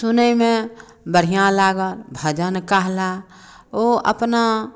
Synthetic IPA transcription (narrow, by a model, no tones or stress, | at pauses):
sʊnəimẽ | bəɽ̤ijãlaːɡəlbʱəd͡ʒənkaɦla | oʔə̰pna